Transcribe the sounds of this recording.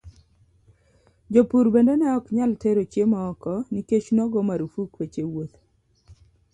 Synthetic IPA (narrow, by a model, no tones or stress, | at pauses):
d͡ʒopuɾbendenɛɔkɲalteɾot͡ʃjemaɔkɔniket͡ʃnɔɡɔmaɾufukwet͡ʃewot̪